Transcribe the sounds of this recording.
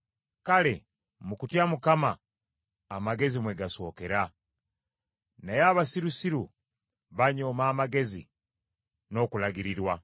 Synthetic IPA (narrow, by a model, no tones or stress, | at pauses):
kalḛ | mukutjamukama̰ː | maɡe̞zimweɡaso̞ːke̞ɾa | najaːβasiɾusiɾu | βaɲomaːmaɡe̞zḭ | no̞kulaɡiɾiɾwa